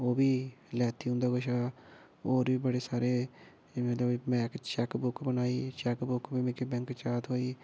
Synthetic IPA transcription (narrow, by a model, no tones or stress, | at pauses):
oːbiːlɛːt̪ʰiːɦʊ̃nd̪aːɡʊʃaː | oːɾʋiːbəɽeːsaːɾeː | mɛt̪ləbmɛ̃ːkt͡ʃɛkbʊkbənaːiːt͡ʃɛkbʊkbiːmɪkebɛ̃ŋkt͡ʃaːt̪ɦoːiː